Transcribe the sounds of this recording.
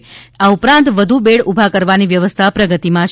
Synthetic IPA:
aupɾãnt̪ʋəd̪ʱubeɽubʱakəɾʋaniʋjəʋəst̪ʰapɾəɡət̪imã

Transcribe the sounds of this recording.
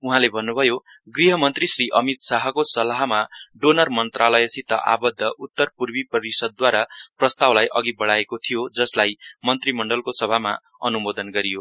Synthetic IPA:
uɦãlebʱʌnːubʱʌjo | ɡriɦʌmʌnt̪risriʔʌmit̪saɦʌkosʌlaɦmaɖonʌrmʌnt̪ralʌjʌsit̪ːʌ̰ʔa̰bʌd̪ʱːʌʔut̪ːʌrpurbipʌɾisʌd̪̚ːwaɾaprʌst̪awlajʔʌɡibʌɽaekot̪ʰijod͡zʌslajmʌnt̪rimʌɳɖʌlkosʌbʱama̰ | ʌ̰numod̪ʌnɡʌɾijo

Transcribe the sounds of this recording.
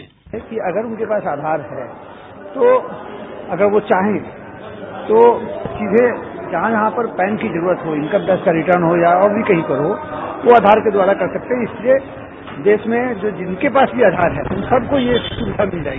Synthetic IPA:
ɛkiɐɡəɾʊnkepaːsaːd̪ʱaːɾɦɛ | t̪o | ɐɡəɾʋot͡ʃaːɦẽ | t̪ot͡ʃiːzẽd͡ʒɐɦãjɐɦãpɐɾpɛ̃ːnkizɐɾuːɾət̪ɦoɪnkad̪ɛːskaɾɪʈəɾnɦojaɔːɾbʱikɐɦĩkɐɾoʋoaːd̪ʱaːɾked̪ʊaːɽakɐɾsɐk̚t̪eɦɛ̃ɪslie | d̪eːʃmẽd͡ʒoːd͡ʒɪnkepaːsbʱiaːd̪ʱaːɾɦɛ̰ʊ̃nsɐbkojesʊnsʰamɪld͡ʒaː

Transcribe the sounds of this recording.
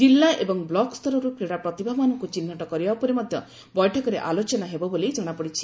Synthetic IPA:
d͡ʒilːaʔebɔŋblɔkst̪ɔɾɔɾukɾiɽapɾɔt̪ibʱamanɔŋkut͡ʃinːɔʈɔkɔɾibaupɔɾemɔd̪ʱjɔ | bɔjʈʰɔkɔɾeʔalot͡ʃɔnaɦebɔbolid͡ʒɔɽ̃apɔɽit͡ʃʰi̥

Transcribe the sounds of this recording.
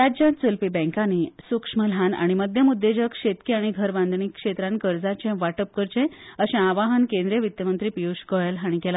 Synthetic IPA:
ɾad͡ʑjãt͡səlpibɛ̃ŋkanisukʂməlɦana̰ɽ̃iməd̪ʱjəmud̪ʱːed͡ʑəkʂet̪kiaɽ̃iɡʱəɾband̪ɳikʂet̪ɾãnkəɾd͡zat͡ɕẽʋaʈəp̚kəɾt͡ɕẽəɕẽaʋaɦənkẽnd̪ɾjəʋit̪jəmənt̪ɾipiuɕkəjəlaɽ̃ikela

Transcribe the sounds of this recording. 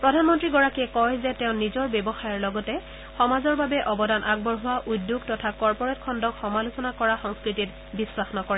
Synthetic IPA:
pɹɔdʱanmɔntɹiɡɔɹakiɛkɔjzɛtɛʊ̃nizɔɹbɛbɔxajɔɹlɔɡɔtɛ | xɔmazɔɹbabɛʔɔbɔdanʔaɡ̚bɔɹɦʊaʔudjuɡtɔtʰakɔɹpɔɹɛtkʰɔndɔkxɔmalusɔnakɔɹaxɔŋskɹitit | biswaxnɔkɔɹɛ

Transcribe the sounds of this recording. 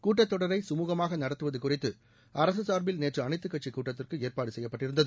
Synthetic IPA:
kuːʈːɐt̪ːɔɽɐɾɐɪsʊmuːɣɐmaːɣɐnɐɽɐt̪ːɯʋɐðɯkʊrɪt̪ːɯ | ɐɾɐsɯsaːɾbɪlneːʈrɯɐnɐɪt̪ːɯkːɐʈt͡ʃːikuːʈːɐt̪ːɪrkɯeːrpaːɽɯsɛjːɐpːɐʈːɪɾɯnd̪ɐðɯ

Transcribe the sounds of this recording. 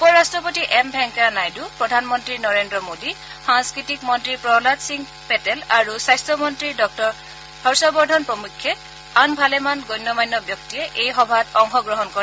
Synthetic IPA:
upɔɹastɹɔpotiʔɛmbʱɛŋkanajdupɹɔdʱanmɔntɹinɔɹendɹɔmodi | xaŋskɹitikmɔntɹipɹɔlatsiŋ | pɛtɛlaɹusajstɹɔmɔntɹidɔk̚tɔɹ | b̥ʰʱɔɹsɔbɔɹdʱɔnpɹɔmukʰːɛ | anbʱalɛmanɡojnːɔmajnːɔbjɔktiɛʔejxɔbʱatɔŋxɔɡɹɔɦɔnkɔɹɛ

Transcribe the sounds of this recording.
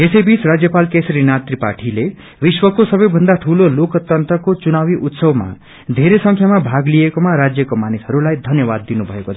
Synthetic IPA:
esʌjbit͡srad͡zjʌpalkesʌɾinat̪ripaʈʰile | biswʌkosʌbʌjbʱʌnd̪aʈʰulolokt̪ʌnt̪rʌkot͡sunawiʔut̪sʌwma̰ | d̪ʱeɾesʌ̃ŋkʰjamabʱaɡlijekomaɾad͡zjʌkomanisʌɾulajd̪ʱʌnjʌbad̪ːinubʱʌekot͡sʰ

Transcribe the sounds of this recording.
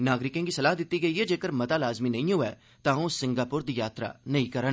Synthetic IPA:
naːɡɾɪkẽŋɡiːsəlaːɦd̪ɪt̪ːiːɡəiːɦɛːd͡ʒeːkəɾmət̪aːlaːzmiːnə̃ĩːɦʊɛː | t̪ãːõsɪ̃ŋɡaːpʊɾd̪iːjaːt̪ɾa̰ːnəĩːkəɾə

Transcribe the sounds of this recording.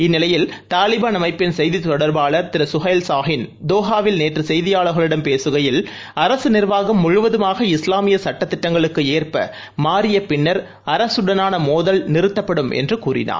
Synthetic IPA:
ɪnːɪlɐjɪlt̪aːlɪbaːnɐmɐɪpːɪnsɛjðit̪ːɔɽɐɾbaːɭɐɾt̪ɪɾɐsʊɣɐɪlsaːɦɪnd̪oːɣaːʋɪlneːʈrɯsɛjðɪjaːɭɐɾɣɐɭɯɽɐmpeːsɯɣɐjɪl | ɐɾɐsɯnɪɾʋaːɣɐmːʊɻʊʋɐðɯmaːɣɐɪslaːmɪjɐsɐʈːɐt̪ːɪʈːɐŋɡɐɭɯkːɯeːrpɐ | maːɾɪjɐpɪɳːɐɾ | ɐɾɐsɯɽɐnaːnɐmoːðɐlnɪɾɯt̪ːɐpːɐɽɯmʔɛ̰ndrɯkuːɾɪ̰na̰ː

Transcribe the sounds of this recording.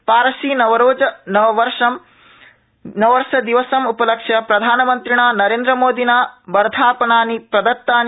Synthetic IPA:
paːɾɐsiːnɐʋɐɾoːd͡ʒɐnɐʋɐʋɐɾʂɐm | nɐʋɐɾʃɐd̪iʋɐsɐmupɐlɐkʂjɐpɾɐd̪ʱaːnɐmɐnt̪ɾiɳaːnɐɾeːnd̪ɾɐmoːd̪inaːbɐɾɐd̪ʱaːpɐnaːnipɾɐd̪ɐt̪ːaːn

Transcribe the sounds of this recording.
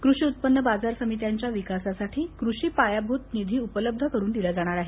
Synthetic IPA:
kɾuʂiːut̪̚pənːəbad͡zaɾsəmit̪̬jaɲt͡ɕjaʋikasasaʈʰiːkɾuʂiːpajabʱut̪nid̪ʱiːupələb̚d̪ʱəkəɾuːnd̪ilad͡zaɽ̃aɾaɦe

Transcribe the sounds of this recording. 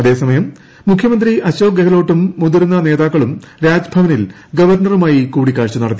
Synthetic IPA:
ɐðe̞ːsɐmɐjɐmː | ukʰjɐmɐnd̪riʔɐɕoːɡɐɣɐlo̞ːʈːumːud̪iɾnːɐne̞ːðaːkːɐɭum | ɾaːd͡ʑbʱɐʋɐnil | ɡɐʋɐrnɐrumaːjikuːɽikːaːɻt͡ɕːunɐɽɐt̪ːi

